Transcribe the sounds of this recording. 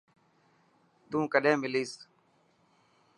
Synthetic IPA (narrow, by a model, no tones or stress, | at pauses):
t̪ũːkəɗẽːmɪliːs